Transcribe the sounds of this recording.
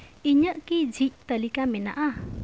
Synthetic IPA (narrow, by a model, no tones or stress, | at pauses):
iɲəʔkid͡ʒʱic̚ˀt̪əlikamɛna̰ʔa